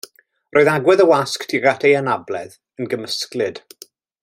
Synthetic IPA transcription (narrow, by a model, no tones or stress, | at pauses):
rʔoːɨðaɡwɛðəwasktʰiɡatʰejanablɛð | ənɡəməsklɨd̥